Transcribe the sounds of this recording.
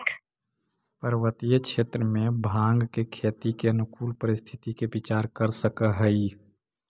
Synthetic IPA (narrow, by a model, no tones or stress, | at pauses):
pəɾwət̪ijəkʃeːt̪ɾəmẽbʱãːŋɡkekʰeːt̪ikenʊkʰuːlpəɾɪst̪ʰɪ̥t̪ikebɪt͡ʃaːɾkəɾsəkəɦəi